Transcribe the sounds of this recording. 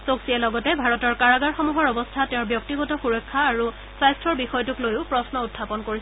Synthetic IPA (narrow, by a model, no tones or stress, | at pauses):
soksiɛlɔɡɔtɛbʱaɹɔtɔɹkaɹaɡaɹxɔmuɦɔɹɔbɔstʰatɛʊ̃ɹbjɔk̚tiɡɔtɔxuɹɔkʰːaːɹu | sajstɹɔɹbixɔjɔtuklojʊpɹɔsnɔutʰːapɔnkoɹis